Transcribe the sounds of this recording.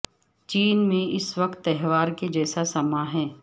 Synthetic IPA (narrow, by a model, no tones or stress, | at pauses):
t͡ʃiːnmẽʔɪsʋɐkt̪ːɛɦʋaːɾked͡ʒɛːsasɐmaɦɛː